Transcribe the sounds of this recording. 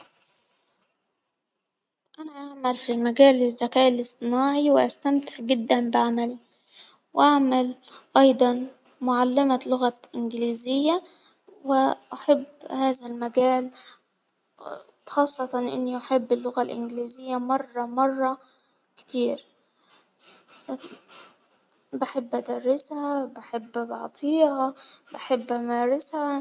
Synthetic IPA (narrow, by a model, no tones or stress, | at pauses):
ʔanaʔaʕmalfilmaɡæːlːɪzːækæːʔɪlɪsˤt̪ˤɪnaːʕiwɪʔast̪amt̪ɪ̥ħɡɪd̪ːænbɪʕamæli | wʔaʕmalʔɑjd̪ˤɑn | mʊʕalːɪmalʊɣaʔɪnɡɪliːzɪjːa | wɪʔaħabːhaːzælmaɡaːl | xɑːsˤːɑt̪ɑnʔɪ̰nːiʔaħɪbːɪlːʊɣalʔɪ̰nɡliːzɪjːamɑrˤːɑmɑrˤːɑ | kɪ̥t̪iːɾ | baħɪbːʔad̪ɑrˤːɪshabaħɪbːbɑ̰ʕt̪ˤʰiːhabaħɪbːʔamaːɾɪsha